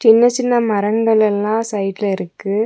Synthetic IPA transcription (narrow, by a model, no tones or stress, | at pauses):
t͡ʃɪnːɐt͡ʃɪnːɐmɐɾɐŋɡɐɭɛlːãːsɐɪʈlɪɾɯkːɯ